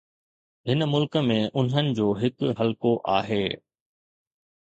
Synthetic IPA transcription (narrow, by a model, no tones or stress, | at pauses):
ɦɪnəmʊlkmẽʔʊn̤ɦənɪ̆d͡ʑoːɦɪkɦɐlkoʔaːɦeː